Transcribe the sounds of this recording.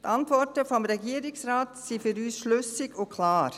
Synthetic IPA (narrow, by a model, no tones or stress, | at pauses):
tʰɑntvɔɾtəfɔmɾɛɡiːəɾɪksɾaːtsifyɾyːsʃlʏsɪɡʊkʰlaːɾ